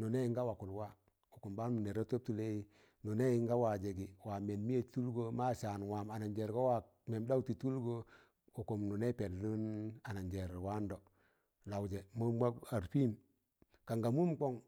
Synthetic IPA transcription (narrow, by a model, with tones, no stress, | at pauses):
nu˨ne˦i˦ŋɡa˦wa˨ku˨lwa˦˨ | u˨ku˨mba˦nu˨ne˨ɾo˦to˦p̚tu˨le˦ji˦ | nu˨ne˦ji˨˦ŋɡa˦wa˨d͡ʒe˨ɡi˨wa˨me˨nmi˦je˨tu˦lɡo˦ma˦ʃa˨nwa˨ma˨na˨nd͡ʒe˨ɾɡo˦wa˨ | me˨mda˦u˦ti˨tu˦lɡo˦ | u˨ku˨mnu˨ne˦pe˨llu˦na˨na˨nd͡ʒe˨ɾwa˦ndo˨ | la˨wd͡ʒe˨mo˦mwa˦a˨ɾpi˦m | ka˨ŋɡa˨mu˦mko˦ŋ